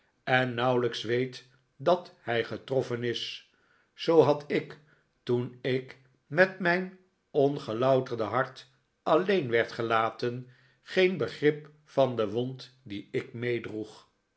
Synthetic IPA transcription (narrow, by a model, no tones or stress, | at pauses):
ɛnːʌwləksʋejt | dɑthɛjχətrɔfənɪs | sowɦɑtɪk | tunɪk | mɛtmɛjn | ɔnχəlɑwtərdəɦɑɹt | ɑlejnʋɛɹtχəlaːtən | χejnbəχrɪp | fɑndəʋɔnt | diɪk̚mejdruχ